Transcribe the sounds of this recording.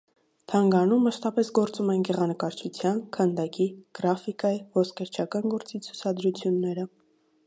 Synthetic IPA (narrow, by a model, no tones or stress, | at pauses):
t̪ʰɑŋɡɑnumːəʃt̪ɑpɛsɡɔɾt͡sumɛnɡɛʁɑnəkɑɾt͡ʃʰut͡sʰjɑnkʰənd̪ɑkiɡ̥ɾɑfikɑjivɔskʰəɾt͡ʃʰɑkɑnɡɔɾt͡sit͡sʰu̥t͡sʰɑd̪ɾut͡sʰjunːɛɾə